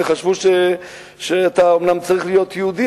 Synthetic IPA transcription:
eχaʃvuʃe | ʃeat̪aomnamt͡saʁiχlijo̞t̪jeud̪i

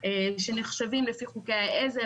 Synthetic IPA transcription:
eʃeneχʃavimlefiχukeaeze

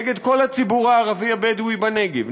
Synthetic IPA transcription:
ɡed̪ko̞lhat͡sibuʁaːʁaviabed̪uibaneɡev

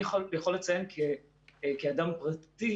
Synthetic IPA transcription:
χolbjaχo̞let͡saje̞nkʰe | kead̪ampʁat̪i

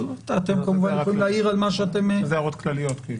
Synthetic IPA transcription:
tat̪emkamuvanjeolileaiʁalmaʃeat̪emzeaʁot̪klalijot̪ki

